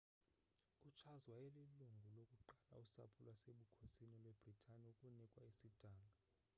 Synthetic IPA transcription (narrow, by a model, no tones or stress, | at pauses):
ut͡ʃʰazwajɛliluŋɡʱulokʼuǃala̰usa̰pʰulwaseɓukʰosinilweb̥ʱritʰaniukʼunikʼwaisid̥ʱaːŋɡʱa